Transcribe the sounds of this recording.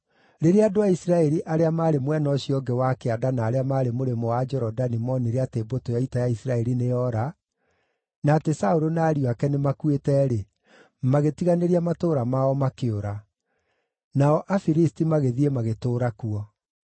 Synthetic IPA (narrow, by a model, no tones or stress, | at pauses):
ɾeɾeadoaisiɾaɛɾiʔaɾeamaːɾemwɛnɔɕijɔŋɡɛwakeadanaːɾeamaːɾemoɾemɔwad͡ʒɔɾɔdanimɔneɾeateːbotojaitajaisiɾaɛɾinejɔɾa | naːtesaoɾonaːɾioakɛnemakwetɛːɾe | maɣetiɣaneɾiamatoːɾamaɔmakeoɾa | naɔʔafiɾistimaɣeðiemaɣetoːɾakuɔ